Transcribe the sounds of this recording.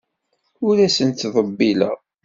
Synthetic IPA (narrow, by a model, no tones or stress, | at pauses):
ʊɾæsənt̪ðˤəbːilə̰ʁ